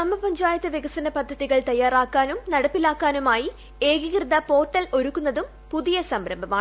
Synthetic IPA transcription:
nɐmːɐpɐɲd͡ʑaːjɐt̪ːɨʋjɐɣɐsɐnɐpɐd̪ʱːɐðiɣɐɭt̪ɐjːaːraːkːaːnumnɐɽɐpːilaːkːaːnumaːji | e̞ːɡikrɨðɐpo̞ːʈːɐlo̞ɾukːunːɐðum | puðijɐsɐmbɾɐmbʱɐmaːɳ

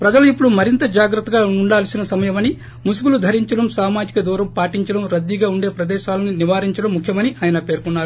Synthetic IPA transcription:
pɾɐd͡ʒɐluipːuɽumɐɾint̪ɐd͡ʒaːɡɾɐt̪ːɐɡaːuɳɖaːlsinɐsɐmɐjɐmɐni | musuɡulud̪ʱɐɾiɲt͡ʃɐɽɐmsaːmaːd͡ʒikɐd̪uːɾɐmpaːʈiɲt͡ʃɐɽɐmɾɐd̪ːiɡaːuɳɖeːpɾɐd̪ɛːʃaːlɐniniʋaːɾiɲt͡ʃɐɽɐmːukʰjɐmɐniʔaːjɐnɐpe̞ːɾkunːaːɾu

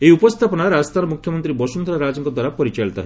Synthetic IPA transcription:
eiupɔst̪ʰapɔnaɾast̪ʰanɔmukʰjɔmɔnt̪ɾibɔsund̪ɔɾaɾad͡ʒɔŋkɔd̪waɾapɔɾit͡ʃaɭt̪a̰ɦe

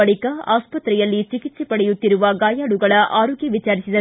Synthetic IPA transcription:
ɐɭɪkːɐʔaːspɐt̪ɾɐjɐlːit͡ʃɪkɪt͡ʃipɐɽɛjɯt̪ːɪɾɯʋɐɡaːjaːɽɯɣɐɭɐʔaːɾoːɡjiʋɪt͡ʃːaːɾɪsɪd̪ɐ

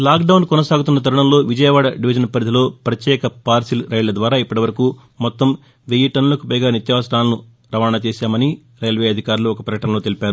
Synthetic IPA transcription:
laːkɖɐwunkɔnɐsaːɡut̪unːɐt̪̬ɐɾuɳɐmlo̞ːʋid͡ʒɐjɐʋaːɽɐɖiʋid͡ʒɐnpɐɾid̪ʱilo̞ːpɾɐt̪jɛːkɐpaːɾsilɾɐjlɐd̪ʋaːɾaːipːɐʈiʋɐɾɐkuː | mɔt̪ːɐm | ʋejiʈɐnulɐkupɐjɡaːnit̪jɐʋɐsɾaːlɐnu | ɾɐʋaːɳɐt͡ʃeːsaːmɐni | ɾɐjlʋeːɐd̪ʱikaːɾluɔkɐpɾɐkɐʈɐnɐlo̞ːt̪elipʲaːɾu

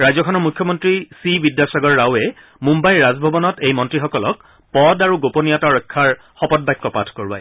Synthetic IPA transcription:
ɹajzɔkʰɔnɔɹmukʰjɔmɔntɹisibidjasaɡɔɹːawɛ | mumbajɹazbʱɔbɔnɔtejmɔntɹixɔkɔlɔk̚ | pɔdaɹuɡoponijataɹɔjkʰːaɹ | xɔpɔt̚bajkːɔpatʰkoɹbaj

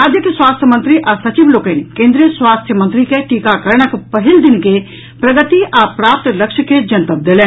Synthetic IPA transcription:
ad͡ʒ̪ekswaːst̪ʰjəmə̃nt̪ɾiʔasɐt͡ʃiʋloːkeːnkẽːnd̪ɾijəswaːst̪ʰjəmɐnt̪ɾikeʈiːkakɐɾɽ̃ɐkpɐɦɪld̪ɪnke | pɾɐɡət̪iʔapɾaːp̚t̪lɐkʃked͡ʒɐnt̪əp̚d̪eːlɛː

